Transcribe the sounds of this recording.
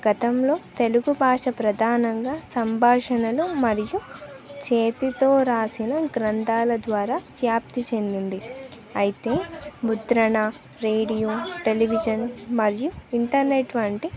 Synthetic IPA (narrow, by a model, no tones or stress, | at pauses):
ɡ̥ɐt̪ɐmlo̞ːt̪e̞luɡubʱaːʂɐpɾɐd̪ʱaːnɐŋɡaːsɐmbʱaːʂɐnɐlumɐɾijut͡ʃeːt̪it̪oːɾaːsinɐɡɾɐnd̪aːlɐd̪ʋaːɾaːʋjaːp̚t̪it͡ʃe̞nd̪ind̪i | ɐjit̪e̞ːmut̪ɾɐɳa | ɾe̞ːɽijoːʈe̞liʋid͡ʒɐnmɐɾijuiɳʈɐɾneʈʋɐɳʈi